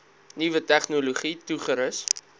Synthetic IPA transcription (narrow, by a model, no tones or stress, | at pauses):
nivətɛχnuluχituχəɾəs